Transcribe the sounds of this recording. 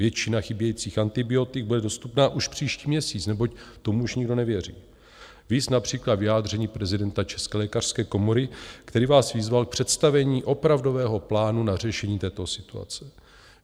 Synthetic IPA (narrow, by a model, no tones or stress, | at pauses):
vjɛt͡ʃɪnaxɪbjɛjiːt͡siːxant̪ɪbɪo̞t̪ɪɡ̚budɛdo̞st̪upnaːʔuʃpr̝̥iːʃciːmɲɛsiːt͡snɛbo̞ct̪o̞muuʃɲɪɡdo̞nɛvjɛrḭː | viːt͡snapr̝̥iːklad̪vɪjaːd̪r̝ɛɲiːpɾɛzɪdɛnt̪at͡ʃɛ̥skɛlɛːkar̥skɛːko̞mo̞ɾɪkt̪ɛɾiːvaːsvɪzvalk̚pr̥ɛt̪st̪avɛɲiːʔo̞pɾavdo̞vɛːɦo̞plaːnunar̝ɛʃɛɲiːt̪ɛːt̪o̞sɪt̪ua̰t͡sɛ